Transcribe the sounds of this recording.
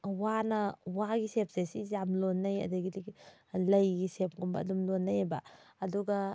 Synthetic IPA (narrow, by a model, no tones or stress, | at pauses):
wanɐwaɡisep̚sesizamlonːɐjɐ̰daɡidilɐjɡisep̚ɡumbɐ̰ɐ̰dumlonːajebaːduɡɐ